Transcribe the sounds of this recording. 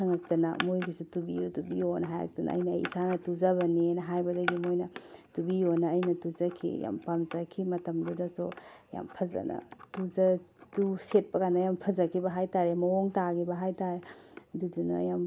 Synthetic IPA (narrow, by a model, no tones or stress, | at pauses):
sʰɐŋɐk̚tɐnɐ̰mojɡisutubḭjutubijonɐɦajɾɐ̰k̚tɐnɐ̰ɐ̰jnɐɐ̰jḭsanɐtuzɐbɐninɐɦajbɐdɐɡimojnɐtubijonɐːjnɐtuzɐkʰḭja̰mpamzɐkʰimɐtɐmdudɐso | ja̰mpʰɐzɐ̰nɐ̰tuzɐtuset̚pɐkanːɐjampʰɐzɐkʰibɐɦajtaɾemɐoŋtaɡibɐɦajtaɾe | dudunɐ̰jam